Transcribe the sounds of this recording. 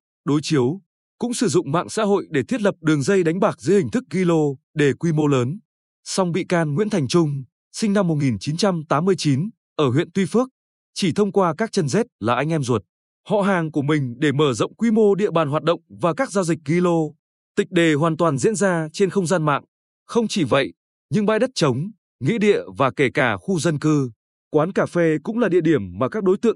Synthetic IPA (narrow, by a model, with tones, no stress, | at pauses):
ɗo˨˦jt͡ɕi˨˦əw | kʊ̰˧˥ŋ͡msɨ˧˩zʊ̰˧˨ŋ͡mma̰ː˧˨ŋsa̰ː˧˥ɦo̰˧˨jɗe˧˩t̪ʰi˦˥ət̚lə˨˩p̚ɗɨ˨˩əŋzə˧jɗa˨˦jŋ̟ɓaː˨˩k̚zɨ̰˧˥˦hï˨˩ŋ̟t̪ʰɨ˦˥k̚ɣi˧lo˧ɗe˧˩kwi˧mo˧ləː˨˦n | sa˧wŋ͡mɓḭ˧˨kaː˧nŋwḭ˧˥ənt̪ʰjŋ̟t͡ɕʊ˧ŋ͡m | sï˧ŋ̟na˧mːo˨˩t̚ŋi˨˩nt͡ɕi˨˦nt͡ɕa˧mt̪aː˨˦mːɨ˧əjt͡ɕi˨˦n | ʔəː˧˩ɦwḭ˧˨ənt̪wi˧fɨ˦˥ək̚ | t͡ɕi˧˩t̪ʰə˧wŋ͡mkwaː˧kaː˦˥k̚t͡ɕə˧nzɛ˦˥t̚laː˨˩ʔa˧jŋ̟ʔɛ˧mzwə˨˩t̚ | hɔ̰˧˨ɦaː˨˩ŋku˧˩əmï˨˩ŋ̟ɗe˧˩məː˧˩zə̰˧˨wŋ͡mkwi˧mo˧ɗḭ˧˨əɓaː˨˩nɦwaː˨˩t̚ɗə̰˧˨wŋ͡mvaː˨˩kaː˦˥k̚zaː˧wzi˨˩k̟̚ŋi˧lo˧ | t̪ï˨˩ŋ̟̚ɗe˨˩ɦwaː˨˩nt̪waː˨˩nzḭ˧˥ənzaː˧t͡ɕe˧nxə˧wŋ͡mzaː˧nma̰ː˧˨ŋ | xə˧wŋ͡mt͡ɕi˧˩və̰˧˨jʔ | ɲɨ̰˧˥ŋɓa̰ː˧˨jɗə˦˥t̚t͡ɕə˨˦wŋ͡m | ŋḭ˧˥ɗḭ˧˨əvaː˨˩ke˧˩kaː˧˩xu˧zə˧nkɨ˧ | kwaː˨˦nkaː˧˩fe˧kʊ̰˧˥ŋ͡mlaː˨˩ɗḭ˧˨əɗi˧˩əmːaː˨˩kaː˦˥k̚ɗo˨˦jt̪ɨ̰˧˨əŋ